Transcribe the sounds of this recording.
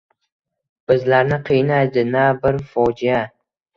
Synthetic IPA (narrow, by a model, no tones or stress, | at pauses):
b̥ɪzlaɾnɪqʰijnajd̪ɪnabɪɾfɒd͡ʒɪja